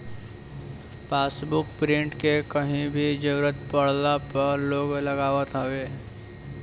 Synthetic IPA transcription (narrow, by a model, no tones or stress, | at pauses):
paːsbʊkpɾɪ̃ɳʈkekɐɦĩbʱid͡ʒəɡɾət̪pɐɽ̤lapɐɾloːɡlɐɡaːʋət̪ɦaʋeː